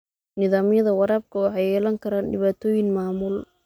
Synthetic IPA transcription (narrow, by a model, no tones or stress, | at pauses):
nɪðaːmjɐðɐwɑɾaːb̚kʰɐwɑħɑjɛːlɐŋkʰɐɾaːnɖɪβaːt̪ʰɔːjɪŋmaːmʊl